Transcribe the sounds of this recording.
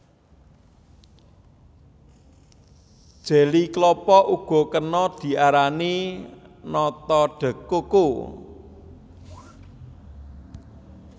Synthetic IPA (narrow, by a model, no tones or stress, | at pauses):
d̥ʒ̥e̤liklɔpɔʔuɡ̥ɔ̤kənɔd̪̥i̤ʔaɾani | nɔt̪ɔɖ̥ə̤koko